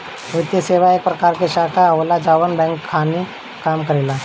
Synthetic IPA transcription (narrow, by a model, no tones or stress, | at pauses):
ʋit̪jəseʋaek̚pɾəkaɾkeɕakaːʋlad͡ʑaʋənbɛ̃ŋkʰːani | kamkəɾela